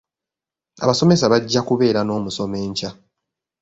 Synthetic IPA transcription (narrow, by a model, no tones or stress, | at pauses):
a̰βaso̞me̞saβaɟːakuβe̞ːɾano̞ːmuso̞me̞ːɲca